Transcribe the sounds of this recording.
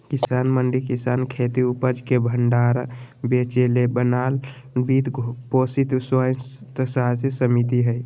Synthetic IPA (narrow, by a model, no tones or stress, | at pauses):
kisanməɳɖikisankʰet̪iupəd͡ʒkebʱəɳɖaɾ | bet͡ʃelebənal | bit̪posit̪sojt̪əsassəmit̪iɦəj